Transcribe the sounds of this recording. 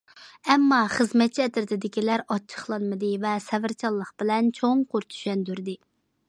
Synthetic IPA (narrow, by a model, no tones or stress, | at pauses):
ɛmːɑχəzmɛt̪̚t͡ʃʰiɛd̪ɪɾt̪ɪd̪ɪkʲilæɾɑt͡ʃʰːə̥χlˠɑnmɨd̪ɨvɛsɛvɪɾt͡ʃʰɑlˠːəqb̥ɪlɛnt͡ʃʰoŋquɾt̪ʰy̥ʃɛnd̪yɾd̪ɪ